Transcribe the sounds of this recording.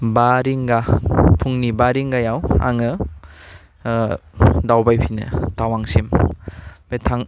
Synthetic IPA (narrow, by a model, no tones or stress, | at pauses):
baɾiŋɡapʰuŋnibaɾiŋɡajawa̰ŋɯ | dawbajpʰinɯ̰tawaŋsim | betʰaŋ